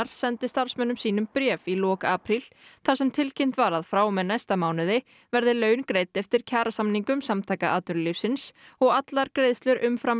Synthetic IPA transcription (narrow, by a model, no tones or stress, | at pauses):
ɾ̥sɛnt̪ɪst̪aɾ̥smœnːʏmsiːnʏmpɾɛːvilɔːkaaːpɾilθaɾ̥sɛmt̪ʰɪlcʰem̥t̪vaɾaðfɾaːwmɛnajst̪amaːwnɪðɪ | vɛɾðɪlœːɥnkɾeːjt̪ɛft̪ɪɾ̥cʰaːɾasamniŋkʏmsamt̪ʰaːjkaʔaːt̪nʏɾlifsɪnsɔɣat̪laɾkɾeːjðst̪lʏɾʔʏmfɾam